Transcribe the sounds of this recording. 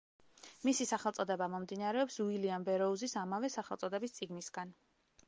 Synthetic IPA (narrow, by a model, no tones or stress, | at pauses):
misisaχɛlˠt̪sʼɔd̪ɛbamɔmd̪inaɾɛɔpsuiliambɛɾɔuzisamavɛsaχɛlˠsʼɔd̪ɛbist̪sʼiɡnisɡan